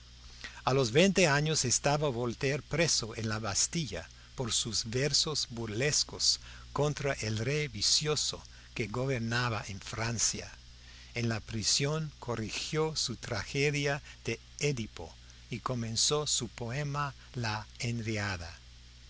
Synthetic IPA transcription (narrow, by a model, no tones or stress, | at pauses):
alozβejnt̪eaɲosest̪aβaβolt̪eɾpɾesoenlaβast̪iʝa̰ | poɾsuzβeɾsozbuɾleskos | kont̪ɾaʔelrejβisjoso̰ | keɡoβeɾnaβaʔeɱfɾansja̰ | enlapɾisjoŋkʰorixjosut̪ɾaxeðjað̥e | eðipo̰ | ikomẽnsosupoema | laenɾeaða̰